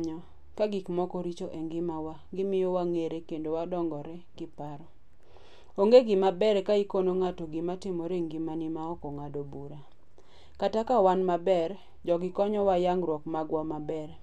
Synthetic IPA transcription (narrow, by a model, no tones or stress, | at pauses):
ɲɔ | kaɡikmɔkɔɾit͡ʃoʔeŋɡɪmawaɡɪmɪjɔwaŋeɾekendowadɔŋɡɔɾɛkɪpaɾɔ | oŋɡeɡɪmabɛɾkaikonoŋatoɡɪmatɪmɔɾeŋɡimanɪmaɔkɔŋadobuɾa | katakawanmabɛr | d͡ʒɔɡɪkɔɲɔwajaŋɡɾwɔkmaɡwamabɛr